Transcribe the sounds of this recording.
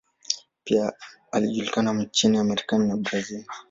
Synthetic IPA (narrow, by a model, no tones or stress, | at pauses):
pia | aliʄulikanam̩t͡ʃiniamɛɾikaninabɾazil